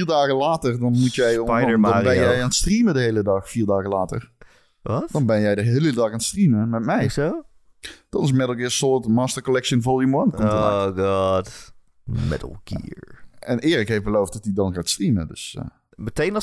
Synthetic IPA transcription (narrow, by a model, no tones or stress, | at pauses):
fiːɹdaːɣəlaːtərdɔnmutjɛjɔəbɛnjɛjjaːnstrimədəɦejlədɑxfiːɹdaːɣəlaːtə̰r | ʋtd̥ɔnbɛnjɛjdəɦellədɑxaːnstriməmɛtmɛjso | d̥ɔnɪs̬mɛdl̩ˠɡɪːsʊtmaːstəkɔlɛkʃənvɔlˠimwɔnkɔmtəa̰ɡɑd | mɛ̰d̰l̩ˠɡḭɹɛnɪːɾɪkɦejfbəlowft̚dɔtidɔnɣaːtstrimə̰dø̰s | mətejn